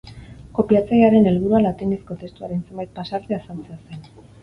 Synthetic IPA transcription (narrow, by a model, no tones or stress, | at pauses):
ko̞piat͡sajaɾe̞ne̞lβuɾualat̪inesko̞t̪e̞st̪uaɾe̞nse̞mbajt̪̚pasaɾt̪easansease̞n